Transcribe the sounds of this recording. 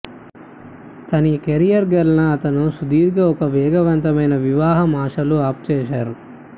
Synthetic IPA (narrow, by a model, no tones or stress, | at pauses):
t̪ɐnikeɾijɐɾɡɐɾɐnɐːt̪ɐnusud̪iːɾɡɐɔkɐʋɛːɡɐʋɐnt̪ɐmɐjnɐʋiʋaːɦɐmaːʂɐluaːp̚t͡ʃɛːʃaːɾu